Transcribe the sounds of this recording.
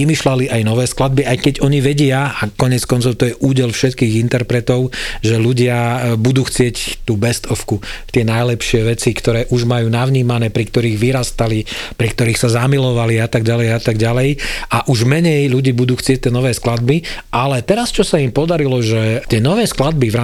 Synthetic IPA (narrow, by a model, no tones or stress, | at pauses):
imiːʃlaliʔajnɔʋɛːsklad̪̚biajkɛɟɔɲiʋɛɟɪaakɔɲɪɛt͡skɔnt͡sɔʊt̪ɔjɛʔuːɟɛlfʃɛt̪kiːɣint̪ɛɾpɾɛt̪ɔʊʒɛluɟɪabud̪uːxt͡sɪɛct̪uːbɛst̪ʰɔfkut̪ɪɛnajlɛpʃɪɛʋɛt͡sikt̪ɔɾɛːʔuʒmajuːnaʋɲiːmanɛːpɾikt̪ɔɾiːɣʋiɾast̪alipɾikt̪ɔɾiːxsazamilɔʋaliat̪aɡ̚ɟalɛjat̪aɡɟalɛjʔaʔuʒmɛɲɛjluɟiːbud̪uːxt͡sɪɛc̚t̪ːɛnɔʋɛːsklad̪biʔalɛt̪ɛɾast͡ʃɔsaimpɔd̪aɾilɔʒɛt̪ɪɛnɔʋɛːsklad̪biʋɾa